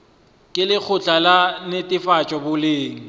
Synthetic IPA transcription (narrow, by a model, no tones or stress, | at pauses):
kʼɪlɪk͡xʰʊt͡ɬʼalanɪtʼɪfat͡ʃʼɔbʊlɪːŋ̩